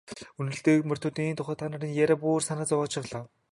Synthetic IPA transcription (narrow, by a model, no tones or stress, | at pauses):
ɵnɵ̆ɮt̪eːkmœr̥t̪ʰʊːt̪iːnt̪ʰʊχəːt̪ʰːaːnaːɾʲĭnjæɾʲaːpuːrsanăt͡sɔwɔːt͡ɕʰăwɮaː